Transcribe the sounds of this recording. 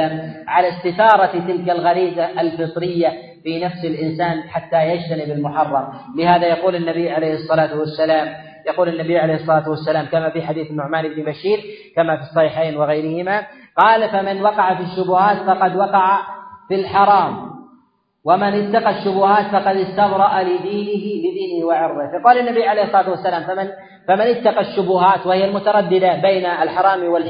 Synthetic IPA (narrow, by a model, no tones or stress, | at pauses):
amʕalast̪ɪθɑːɾˤɑt̪ɪlkalɣaɾiːzaʔalfɨt̪ˤɾɪjːa | finafsɪlʔɪnsaːnħat̪ːajad͡ʒt̪anɪbɪlmʊħɑrˤːɑmlɪhaːðajɑquːlɪnːabijːʕalejhɨsˤːɑlaːt̪wasːalaːm | jɑquːlɪnːabijːʕalejhɨsˤːɑlaːt̪wasːalaːmkamafiħad̪iːθnːʊʕmaːnʔɪbnɪbaʃiːɾkamafisˤːɑhiːħaːnwɪɣajɾɪhɪma | qɑːlfamɪnwɑqɑʕafiʃːʊbʊhaːt̪fɑqɑd̪wɑqɑʕafilħɑɾˤɑːm | wamɪnɪt̪ːɑqɑʃːʊbʊhaːt̪fɑqɑd̪ɪst̪ɑmɾˤɑʔalɪd̪iːnɪɦɪlɪd̪iːnɪhwɪʕʊɾðˤɪhɪqɑwlanːabijːʕalejhɪsˤːɑlaːt̪wasːalaːmfamɪn | famɪnɪt̪ːɑqɑʃːʊbʊhaːt̪wahɪjalmʊt̪ɑɾˤɑd̪ːɪd̪abejnaalħɑɾˤɑːmwɪl